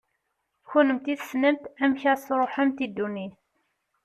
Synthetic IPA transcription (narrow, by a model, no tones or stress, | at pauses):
çʊnəmt̪iθsnəmt̪æmçæsɾˤoħæmt̪id̪ːuniθ